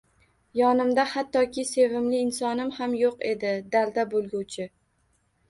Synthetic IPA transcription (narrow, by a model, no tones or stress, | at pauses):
jɒnɪmd̪ahat̪ʰːɒkʲʰɪse̞vɪmlɪːnsɒnɪmhamjoqe̞d̪ɪd̪ald̪abolˠɡʲuwt͡ʃʰɪ